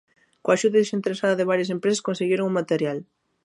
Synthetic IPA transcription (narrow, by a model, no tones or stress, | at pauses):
koaʃuðɐðesent̪eɾesaðɐðeβaɾjɐsempɾeseskonseɣeɾoŋumat̪eɾjal